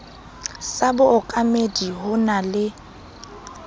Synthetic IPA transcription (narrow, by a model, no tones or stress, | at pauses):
sabʊʊkʼamediɦʊnalɪ